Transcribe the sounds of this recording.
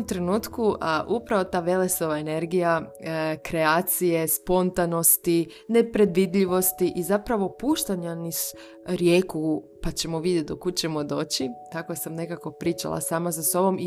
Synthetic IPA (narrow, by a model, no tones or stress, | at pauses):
mt̪ɾenuːt̪kuaʔupɾaʋo̞t̪aːʋe̞leso̞ʋaene̞ɾɡijakɾe̞aːt̪sije̞spo̞nt̪ano̞st̪i | ne̞pɾe̞d̪ʋid̪ʎiʋo̞st̪iʔizapɾaʋo̞puːʃt̪aɲanis | ɾjeːkupat͡ɕe̞moʋid̪jet̪d̪okut͡ɕe̞mo̞d̪o̞ːt͡ɕit̪akosamne̞kako̞pɾiːt͡ʃa̰lˠa̰saːmazaso̞bo̞mi